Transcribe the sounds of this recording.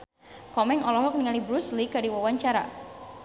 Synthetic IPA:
kɔmɛŋɔlɔɦɔk̚niŋalibɾuslikadiwawaɲt͡ʃaɾa̰

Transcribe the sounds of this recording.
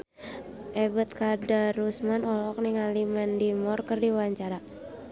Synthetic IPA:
ʔɛbət̪̚kadarusmanɔlɔk̚niŋalimɛndimɔrkərdiwaaɲt͡ʃaɾa

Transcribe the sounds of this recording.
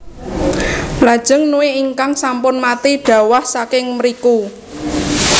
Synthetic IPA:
lad̥ʒ̥ə̤ŋnuweiŋkaŋsampʊnmat̪iɖ̥ä̤wahsakɪŋməɾiku

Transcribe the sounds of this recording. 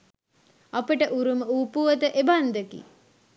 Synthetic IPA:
apəʈəʔuɾuməuːpuʋət̪əʔeband̪əkḭ

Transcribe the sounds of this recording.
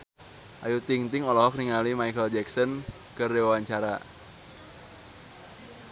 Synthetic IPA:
ʔajut̪iŋt̪ɪŋɔlɔɦɔk̚niŋalimajkəld͡ʒɛksɔn | kərewawaɲt͡ʃaɾa

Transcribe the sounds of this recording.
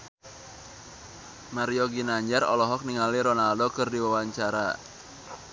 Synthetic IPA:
maɾiɔɡinaɲd͡ʒarɔ̰lɔɦɔk̚niŋaliɾɔnaldokɨrdiwawaɲt͡ʃaɾa̰

